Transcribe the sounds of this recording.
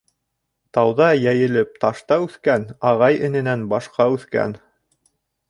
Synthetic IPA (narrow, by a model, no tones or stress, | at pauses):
t̪ɑwðɑjæjɘ̆lɘp̚t̪ɑʃt̪ɑʉθkænɑʁɑjɘ̆nɘ̆nænbɑʃqɑʉθkæ̰n